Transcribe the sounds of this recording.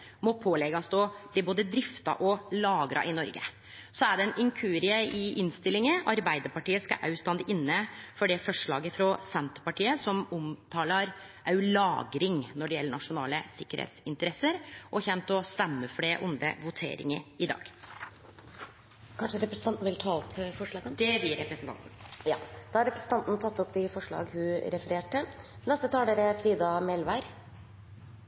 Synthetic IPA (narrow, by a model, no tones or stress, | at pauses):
mɔpʰoːlɛɡɑsd̪ɔb̥liːboːd̪əd̪ɾɪft̪ɑ̰ʔɔlɑːɡɾʔɑ̰ʔɪnɔɾɡə̰ | sɔæɖɛɛnɪŋkʰʉːɾɪəɪɪnst̪ɪlɪŋəɑɾbæɪd̪əɾpɑʈiːəskɑ̰ʔɑʉst̪ɑnd̪ɪʔɪnːəfɔɖɛfɔʂɭɑ̰ːɡəfɾɔsɛnt̪pɑʈiːəsɔmʊmt̪ʰɑːlɑɾʔɑʉlɑːɡɾɪŋnɔɖɛjɛlːəɳɑʂʊnɑ̰ːləsɪkːəɾhḛt̪sɪnt̪əɾɛsəɾʔɔçɛnt̪ɔst̪ɛmːəfɽeːʔʊnd̪ə̰ʋʊt̪ʰḛːɾɪ̰ŋəɾɪd̪ɑ̰ːɡ̥ | kʰɑnʂəɾɛpɾəsənɑnt̪n̩ʋɪlt̪ʰɑːɔpːfɔʂɭɑːɡənd̪ɛb̪ɪːɾɛpɾəsənt̪ʰɑ̰nt̪n̩jɑːd̪̥ɑhɑɾɛpɾəsən̩t̪ʰɑnt̪nt̪ʰɑt̪ːɔp̚d̪ɪfɔʂɭɑ̰ːɡhʉɾɛfəɾeːʈə | nɛst̪ət̪ʰɑːd̪eɾɛfɾiːd̪ɑmɛlʋæɾ